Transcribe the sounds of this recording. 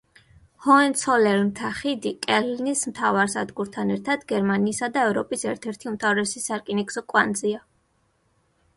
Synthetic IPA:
hɔɛnt̪sʰɔlɛɾmt̪ʰaχid̪ikʼɛlinismt̪ʰavaɾsa̰d̪ɡuɾt̪ʰanɛɾt̪ʰad̪̥ɡɛɾmaniːsad̪aɛvɾɔpʼisɛɾt̪ʰɛɾt̪ʰiumt̪ʰavɾɛsisaɾkʼiniksɔkʼwand̪zia

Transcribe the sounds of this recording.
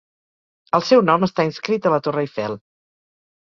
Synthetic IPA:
əlˠsɛwnɔməst̪ainskɾit̪ələt̪orəifɛlˠ

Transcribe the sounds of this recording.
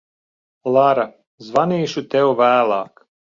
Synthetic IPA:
lˠaɾa | zvaniːʃut̪ewvæːlˠɑːk

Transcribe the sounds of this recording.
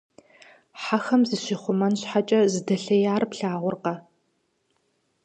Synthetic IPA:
ħaxɐmziɕɪχʷʊmɐnɕħat͡ʃʼɐzɨdɐɬɐjaːrpɬaːʁʷʊrqɐ

